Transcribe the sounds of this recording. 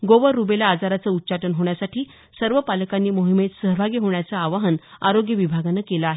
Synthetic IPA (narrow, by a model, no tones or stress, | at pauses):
ɡoʋəɾːubelaːd͡zaɾat͡səut̪ːt͡ɕaʈənɦoɳ̃jasaʈʰiː | səɾʋəpaləkanːiːmoɦimet̪səɦəbʱaɡiɦoɳjat͡saːʋaɦənaɾoɡjəʋibʱaɡanːakelaːɦe